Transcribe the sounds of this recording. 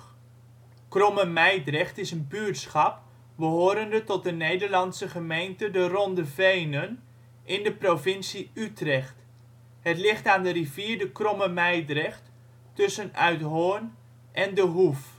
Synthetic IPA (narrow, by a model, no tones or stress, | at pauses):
krɔməmɛjdrɛχtɪsənbyɹtsχɑp | bəɦoːɾəndətɔt̚dənejdəɹlɑnsəχəmejntədərɔndəvejnən | ʔɪndəprovɪnsiytrɛχt | ɦətlɪχtaːndəriviːɹdəkrɔməmɛjdrɛχt | tːɵsənœɥtɦoːn | ʔɛndəɦuf